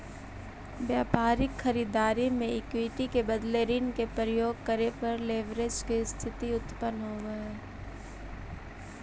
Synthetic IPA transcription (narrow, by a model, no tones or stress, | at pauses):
bjaːpaːɾɪkxɐɾiːd̪aːɾimẽɪkwiːʈikebɐd̪leːɾinkepɾəjoːɡ̚kɐɾepɐɾleːʋɾed͡ʒkest̪ʰɪt̪iʊt̪pənɦoːɡɐeː